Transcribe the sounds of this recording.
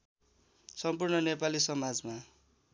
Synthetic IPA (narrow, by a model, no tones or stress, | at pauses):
sʌmpurnʌnepalisʌmad͡zma